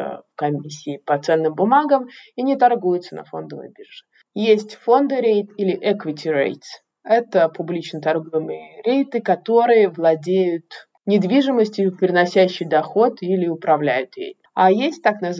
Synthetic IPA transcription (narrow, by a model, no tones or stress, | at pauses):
kɐmʲisʲːɪːpɐt̪sɛnːɨmbʊmaɡəminʲɪt̪ɐrɡujʊt̪sənɐ̰fo̞̰nd̪əvə̰jbʲirʐɨ̥ | jesʲtʲfo̞nd̪ɨɾʲejt̪ilʲɪʔɛkvʲɪtʲɪɾʲḛjt̪s | ɛt̪əpʊblʲit͡ɕnət̪ɐrɡojɪmɨjəɾʲejt̪ɨkɐt̪o̞ɾɨjəvlˠɐdʲejʊt̪ | nʲɪd̪vʲiʐɨməsʲtʲɪʊpʲɾʲɪnɐsʲæɕːɪjd̪ɐxo̞t̪ilʲɪʊpɾɐvlʲæjʊt̪jḛjt̪ajesʲt̚ʲt̪aknə